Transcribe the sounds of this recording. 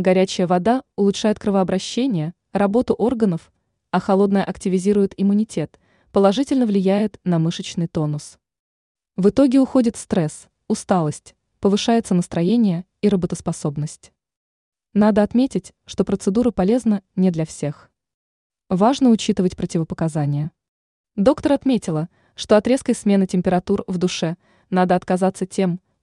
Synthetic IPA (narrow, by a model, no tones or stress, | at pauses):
ɡɐɾʲæt͡ɕɪjəvɐd̪aʊlˠʊʂajɪt̪̚kɾɨvəɐbɾɐɕːenʲɪjə | rɐbo̞t̪ʊʔo̞rɡənəf | ɐxɐlˠo̞d̪nəjəʔɐktʲɪvʲɪzʲiɾʊjɪt̪ɪmʊnʲɪtʲe̞t̪ | pəlˠɐʐɨtʲɪlʲnəvlʲɪjæjɪt̪nɐmɨʂət͡ɕnɨjt̪o̞nʊs | vɨt̪o̞ɡʲɪʊxo̞dʲɪt̪fst̪ɾɛs | ʊst̪alˠəsʲtʲ | pəvɨʂajɪt̪sənəst̪ɾɐjenʲɪjə | iɾəbət̪əspɐso̞bnəsʲtʲ | nad̪əɐt̪mʲetʲɪtʲ | ʂt̪o̞pɾət̪sɨd̪uɾəpɐlʲe̞znənʲɪd̪lʲɐfsʲe̞x | vaʐnəʊt͡ɕit̪ɨvətʲpɾətʲɪvəpəkɐzanʲɪjə | d̪o̞kt̪əɾɐt̪mʲetʲɪlˠə | ʂt̪o̞ɐt̪ɾʲe̞skəjsmʲe̞nɨtʲɪmʲpʲɪɾɐt̪urvd̪ʊʂɛ | nad̪əɐt̪kɐzat̪sːətʲe̞m